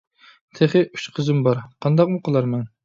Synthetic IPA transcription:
t̪ʰeχɨy̥t͡ʃqʰəzɨmbɑɾqʰɑnd̪ɑq̚muqʰəlˠɑɾmɛn

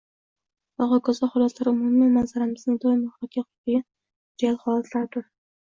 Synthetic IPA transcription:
ɒʁɒkʰɒzɒχʊlˠaslaɾʊmʊmɪmanzaɾamɪznɪŋd̪ɒjɪmahɒkʲʰaqʰʊɪɡʲa | d͡ʒialχɒlˠat̪ʰlaɾt̪ʊɾ

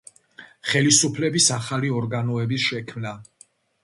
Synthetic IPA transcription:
χɛlisupʰlɛbisaχaliɔɾɡanɔɛbisʃɛkʰmna

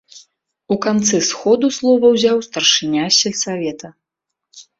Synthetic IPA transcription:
ukant̪sɨsxɔd̪uslˠɔvɐwzʲawst̪ɐrʂɨnʲasʲɛlʲsavʲɛt̪ɐ

